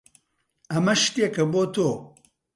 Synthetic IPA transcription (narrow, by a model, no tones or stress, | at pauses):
ɐmɐʃt̪ekɐboːt̪oː